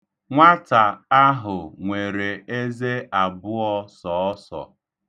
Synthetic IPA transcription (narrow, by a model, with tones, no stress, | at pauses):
ŋʷa˦ta˨a˦ɦʊ˨ŋʷe˨ɾe˨e˦ze˦a˨bʊ˦ɔ˦sɔ˨˦sɔ̰˨